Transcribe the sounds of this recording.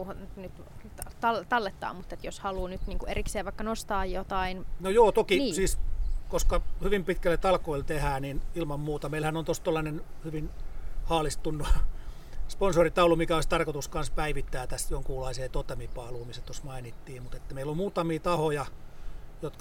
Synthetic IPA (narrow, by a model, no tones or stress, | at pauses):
hnyt̪ | t̪t̪ɑlt̪ɑlːet̪ːɑ̰ːmmut̪ːet̪joshɑluːnyt̪niːŋkuerikseːʋʋɑikːɑnost̪ɑːjjot̪ɑinnojoːt̪okisiːskoskɑhyʋimpit̪kælːett̪ɑlkoilt̪ehæːninilmɑmmuːt̪ɑmeilhænont̪ost̪olːɑnenhyʋinhɑːlist̪unːu | sponsorit̪ɑulumikæoist̪ɑrkot̪uskɑnspæiʋit̪ːæːt̪æsjoŋkuːlɑiseːt̪ot̪emipɑːluːmisːæt̪osmɑinit̪ːiːmut̪et̪ːæmeilommuːt̪ɑmiːt̪ɑhojɑ | jot̪kɑ